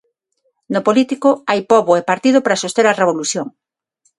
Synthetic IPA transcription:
nʊpolit̪ikʊajpɔβoepaɾt̪ið̞ʊpɾasost̪eɾareβ̞oluθjoŋ

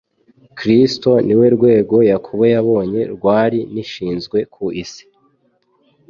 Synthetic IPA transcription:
kɾisto̞niwe̞ɾɡwe̞ːɡo̞jakʰuβajaβo̞ːɲe̞ɾɡwaːɾiniʃiːnzɡwe̞kʰuʔisi̥

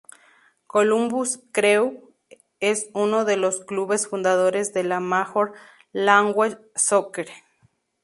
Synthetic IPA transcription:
kolumbuskɾew | esunoðeloskluβesfund̪að̞oɾezðelamaxoɾ | laŋɡwe | sokeɾ

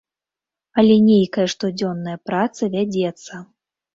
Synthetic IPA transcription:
ɐlʲɛnʲejkɐjɐʂt̪ɔd͡zʲɔnːɐjɐpɾat̪sɐvʲad͡zʲɛt̪sːɐ

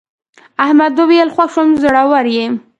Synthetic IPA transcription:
ahmad̪obijalxwaxʂomzoɽawaɾjem

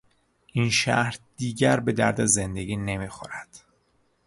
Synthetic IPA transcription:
ʔinʃæ̰ɾd̪iːɟæɾbe̞d̪æ̰ɾd̪ezend̪eɡʲiːne̞miːxo̰ɾæd̪̥

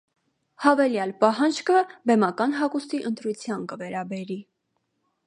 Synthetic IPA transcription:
hɑvɛljɑlpɑɦɑnd͡ʒkəbɛmɑkɑnɦɑkust̪iʔənt̪ɾut͡sʰjɑnkəvɛɾɑbɛɾi

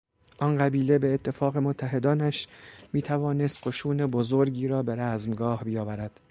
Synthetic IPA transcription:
ʔɒnɢæbiːle̞beːt̪ʰːe̞fɒːɣe̞mot̪ʰːæɦe̞d̪ɒːnæʃmiːt̪ʰævɒːne̞st̪qo̞ʃuːne̞bozoɾɟiːɾɒːbe̞ɾæzmɡɒːhbijɒːvæɾæd̪̥

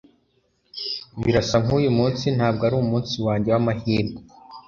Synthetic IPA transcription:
βiɾasaŋujumuːnsin̥haːbɡaɾuːumuːnsiwaːɲɟe̞wamahiːɾɡo

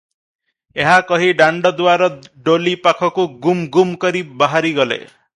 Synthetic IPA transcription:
eɦakɔɦiɖaɳɖɔd̪uaɾɔɖolipakʰɔkuɡumɡumkɔɾibaɦaɾiɡɔlḛ

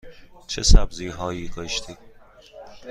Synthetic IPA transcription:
t͡ʃʰesæbziːɦɒːjiːɡ̪ɒːʃt̪ʰiː

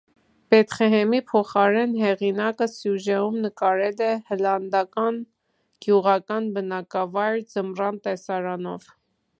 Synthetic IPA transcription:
b̥ɛt̪χɛɦɛmipʰɔχɑɾɛnɦɛʁinɑkəsjuʒɛumnəkɑɾɛlɛhəlɑnd̪ɑkɑn | ɡ̥juʁɑkɑnbənɑkɑvɑjɾd͡zəmrɑnt̪ɛsɑɾɑnɔv

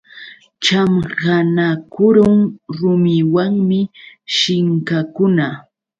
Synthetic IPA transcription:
t͡ʃamhanakʊɾʊŋɾʊmɪwaŋmɪʃɪŋkakʊna

